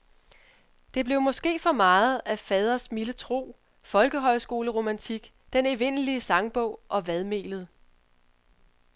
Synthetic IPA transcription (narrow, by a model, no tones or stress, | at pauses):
d̥e̝b̥le̝ʊmɒ̽sɡ̥e̝̰ːfɒ̽mɑ̈ːð̩ˠæfɛːð̞ˠɐsmilət͡sʰʁo̝̰ː | fɒ̽lɡ̥əɦɒ̽ɪsɡ̥o̝ːləʁo̝mænt͡sʰiɡ̥ | d̥eneʋe̝n̰əliəsɑ̈ŋb̥ɔ̽ʊ̰ʔɒ̽ʋæðˠme̝̰ːləð̞̩ˠ